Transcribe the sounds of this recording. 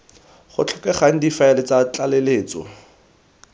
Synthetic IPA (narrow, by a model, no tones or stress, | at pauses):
χʊ̰t͡ɬʰɔkɛχaŋ̩difaelɪt͡sat͡ɬaleleːt͡sɔ̰